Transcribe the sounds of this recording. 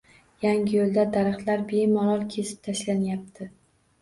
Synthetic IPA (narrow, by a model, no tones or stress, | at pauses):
jaŋʲɪjolˠd̪ad̪aɾɨχt̪laɾbe̞mɒɾɒlˠkʲʰe̞sɪ̥p̚t̪ʰaʃlanjap̚t̪ʰɪ